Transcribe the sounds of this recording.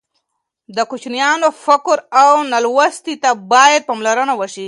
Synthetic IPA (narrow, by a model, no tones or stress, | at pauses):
d̪əkut͡ʃnijɑnofakɾawnalwast̪it̪abɑjad̪̚pamlaɾənawəʃi